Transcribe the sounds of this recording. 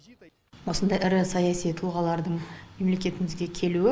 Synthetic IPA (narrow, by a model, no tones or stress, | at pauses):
wo̞sənd̪ɑjɪɾɪsɑjɑsijt̪ʰʊlˠʁɑlˠɑɾd̪əɴme̞mle̞kʲe̞t̪ɪmɪzɡʲe̞kʲʰe̞luɪ